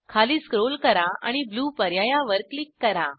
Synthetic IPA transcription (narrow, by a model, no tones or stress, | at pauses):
kʰaliːskɾolkəɾaa̰ɽ̃ibluːpəɾjajaʋəɾklikːəɾa